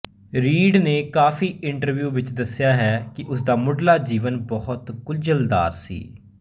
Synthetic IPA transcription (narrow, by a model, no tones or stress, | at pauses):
ɾiːɖneːkaːfʰiːʔɪɳʈəɾʋjuːʋɪt͡ʃd̪əsːɪjaːɦɛːkɪʔʊs̬d̪aːmʊɖlaːd͡ʒiːʋənbɔɦʊt̪kʊld͡ʒəld̪a̰ːɾsḭː